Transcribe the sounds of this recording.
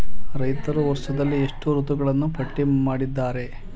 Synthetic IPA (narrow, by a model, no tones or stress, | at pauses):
ɾɐjt̪ɐɾuʋɔɾʂɐd̪ɐlːieʂʈuɾut̪uɡɐɭɐnːupʰɐʈːimaːɽid̪ːaːɾe̞